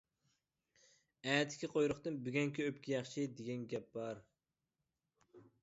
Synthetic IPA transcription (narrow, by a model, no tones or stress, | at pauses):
ɛːt̪ʰːɪ̥kʲʰiqʰojɾʊχt̪ɨnbyɡʲɛŋkʲiøpkʲʰijɑχʃʰid̪eɡʲɛnɡʲɛp̚bɑɾ